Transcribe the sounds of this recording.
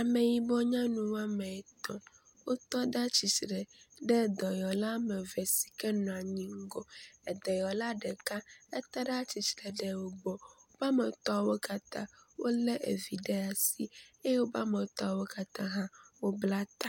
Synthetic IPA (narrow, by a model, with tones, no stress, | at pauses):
a˨me˨ji˨bɔ˦ɲã˦nũ˦wa˦mɛ˨ɛ˨t̪ɔ̰˦ | wo˦t̪ɔ˦ɖa˦t͡ɕi˨t͡ʃɾɛ˨ɖɛ˦d̪ɔ˨jɔ˨la˦mɛ˨vɛ˨si̥˨kɛ˦nɔ̃˨a˨ɲĩ˦ŋ̩˦ɡɔ˦ɛ˨d̪ɛ˨jɔ˨la˦ɖɛ˨kã˦ɛ˦t̪a˦ɖa˦t͡ɕi˨t͡ʃɾɛ˨ɖɛ˦wo˦ɡ͡bɔ˨wo˦ba˦mɛ˨t̪ɔ˦a˨wo˦ka˦t̪ã̰˦wʔo˦lɛ˦ʔḛ˨vi˨ɖɛ˦a˨si˦e˦jɛ˦wo˦ba˦mɛ˨t̪ɔ˦a˨wo˦ka˨t̪ã˦ɦã˦wo˦bla˦t̪a˨